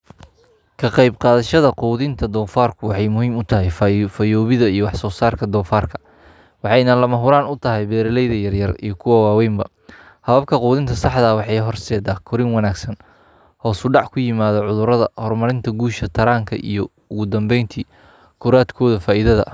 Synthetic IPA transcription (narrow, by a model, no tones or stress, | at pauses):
kʰɐqɑjbqɑːðɐʃɐðɐquːðɪnt̪ʰɐd̪ɔːfaːrkʰʊwɑħɑjmʊhiːmʊt̪ʰɐɦɛjffɐjɔːβɪðɐijɔwɑħsɔːsaːrkʰɐd̪ɔːfaːrkʰɐ̥ | wɑħɑjnɐlɐmɐɦʊɾaːnʊt̪ʰɐɦɛjbɛːɾɐlɛjðɐjɐrjɐrḭjɞkʰʊwɐwɑːwɛjmbɐ | hɐβɐb̚kʰɐquːðɪnt̪ʰɐsɑħd̪ɐwɑħɑjɦɔrsɛːðaːkʰɔɾɪŋwɐnaːɡsɐn | hɔːsʊɖɑʕkʰʊjɪmaːðɔʕʊðʊɾɐðɐhɔrmɐɾɪnt̪ʰɐɡuːʃɐt̪ʰɐɾaːŋkʰɐ̰ʔḭjɞ | ʊɣʊd̪ɐmbɛjnt̪ʰiː | kʰʊɾaːd̪kʰɔːðɐfaːʔɪðɐðɐ̰